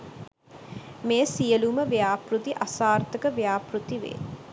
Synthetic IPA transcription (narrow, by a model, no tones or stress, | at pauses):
meːsijəluməʋejaːprut̪iʔasaːrt̪əkəʋejaːprut̪iʋḛ